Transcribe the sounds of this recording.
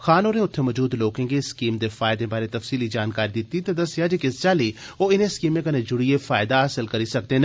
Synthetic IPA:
xaːnoːɾẽːʊt̪ʰːeːməd͡ʒuːd̪loːkẽːɡeskiːmd̪eːfaːɪd̪ẽːbaːɾet̪əfsiːlid͡ʒaːnkaːɾid̪ɪt̪iːt̪ed̪əsɪjaːd͡ʒikɪst͡ʃaːliːoːɪnẽskiːmẽːkənẽːd͡ʒʊɽiefaːɪd̪aəsəlkəɾiːsək̚d̪eːn

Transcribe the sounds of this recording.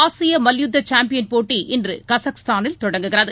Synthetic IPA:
aːsɪjɐmɐljʊd̪ːɐt͡ʃaːmpɪjɐnpoːʈːiʔɪndrɯ̰kɐsɐkst̪aːnɪlt̪ɔɽɐŋɡɯɣɪɾɐðɯ

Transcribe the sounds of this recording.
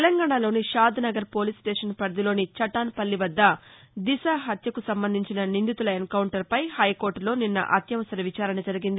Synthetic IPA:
t̪elɐŋɡaːɳalo̞ːniʃaːd̪ʱnɐɡɐɾpo̞ːlisʈeːʂɐnpɐɾd̪ilo̞ːnit͡ʃɐʈaːnpɐlːiʋɐd̪ːɐ | d̪isaːɦɐt̪jɐkusɐmbɐnd̪ʱiɲt͡ʃinɐnind̪it̪ulɐenkɐwuɳʈɐɾpɐjhɐjko̞ːɾʈlo̞ːninːɐ̰ʔɐt̪jɐʋɐsɐɾɐʋit͡ʃaːɾɐnɐd͡ʒɐɾiɡind̪i

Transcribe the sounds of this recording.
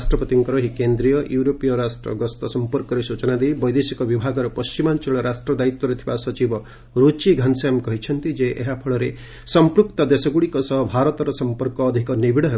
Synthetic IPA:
sʈɾɔpɔt̪iŋkɔɾɔɦikend̪ɾijɔjuuɾopijɔɾasʈɾɔ̰ɡɔst̪ɔsɔmpɔɾkɔɾesut͡ʃɔnad̪ejbɔjd̪esikɔbibʱaɡɔɾɔpɔst͡ʃimant͡ʃɔɭɔɾasʈɾɔd̪ait̪wɔɾet̪ʰibasɔt͡ʃibɔ | ɾot͡ʃiɡʱanseamkɔɦit͡ʃʰɔnt̪id͡ʒeʔeɦapʰɔɭɔɾe | sɔmpɾuk̚t̪ɔd̪esɔɡuɽikɔsɔɦɔbʱaɾɔt̪ɔɾɔsɔmpɔɾkɔːd̪ʱikɔnibiɽɔɦe

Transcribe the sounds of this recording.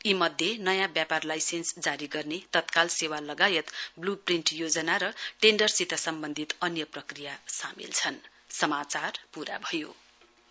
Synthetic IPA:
imʌd̪ʱjenʌjãbjaparlajsensd͡zaɾiɡʌrnet̪ʌt̪kalsewalʌɡajʌt̪blupriɳʈjod͡zʌnaɾʌʈeɳɖʌrsit̪ʌsʌmbʌnd̪ʱit̪ʌnjʌprʌkrijasamḭlt͡sʰʌn | sʌmat͡sarpuɾa̰bʱʌjo̰

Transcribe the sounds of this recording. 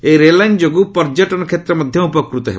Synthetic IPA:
eɾelajnd͡ʒoɡupɔɾd͡ʒɔʈɔnɔkʰet̪ɾɔmɔd̪ʱjɔupɔkɾut̪ɔɦe

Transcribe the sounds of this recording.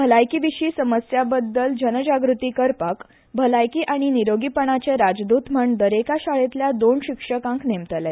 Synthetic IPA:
bʱəlajkiʋiɕiːsəməsjabəd̪ːəld͡ʑənəd͡ʑaɡɾut̪iːkəɾpak | bʱəlajkiːʔaɽ̃iniɾoɡipəɳ̃at͡ɕeɾad͡zd̪ut̪m̤əɳd̪əɾekaɕaɭet̪ljad̪oɳɕikʂəkãŋknemt̪əlɛ

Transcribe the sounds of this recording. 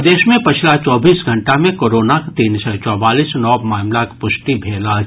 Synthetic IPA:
d̪eːʃmẽpɐt͡ʃʰlat͡ʃɔːbiːsɡʱɐ̃ɳʈamẽkoːɾoːnakt̪iːnsɔt͡ʃɔːbaːliːsnɔːmaːmlakpʊʃʈibʱeːla

